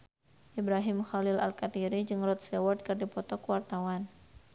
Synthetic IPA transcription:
ʔibɾaɦɪmxalɪla̰lkat̪iɾid͡ʒɨŋrɔt̪̚sɛwɔrd̪̚kɨrdipɔt̪ɔkəwart̪awan

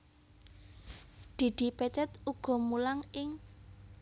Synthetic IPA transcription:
ɖ̪̥i̤ɖ̪̥i̤pɛt̪ɛt̪uɡ̥ɔ̤mulaŋɪŋ

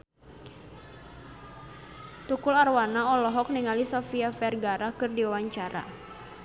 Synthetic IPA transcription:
t̪ukʊlarwanaɔlɔɦɔk̚niŋalisɔfiafɛrɡaɾakɨrdiwawaɲt͡ʃaɾa̰

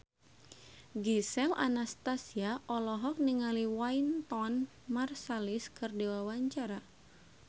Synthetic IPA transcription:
ɡisɛla̰nast̪asiaʔɔlɔɦɔk̚niŋaliwaint̪ɔn | marsaliskɨrdɛwawaɲt͡ʃaɾa

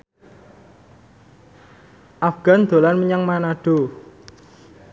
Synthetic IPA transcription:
ʔafɡ̥a̤nd̪̥o̤lanməɲaŋmanaɖ̥o

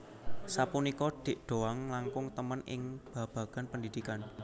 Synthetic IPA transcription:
sapunikɔd̪̥i̤ʔɖ̪̥o̤aŋlaŋkʊŋt̪əmənɪ̰ŋb̥ä̤b̥ä̤ɡ̥a̤npəndid̪̥ikan

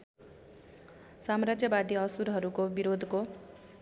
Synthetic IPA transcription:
samɾad͡zjʌbad̪ʱiʌsuɾɦʌɾukobiɾod̪ʱko

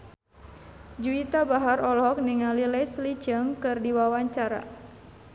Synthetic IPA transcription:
d͡ʒuit̪abaɦarɔlɔɦɔk̚niŋalilɛsli̥d͡ʒəŋkɨrdiwawaɲt͡ʃaɾa̰

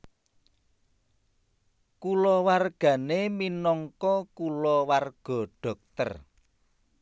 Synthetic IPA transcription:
kulɔwarɡ̥ä̤neminɔŋkɔkulɔwarɡ̥ɔ̤ɖ̥ɔ̤k̚t̪ə̰r

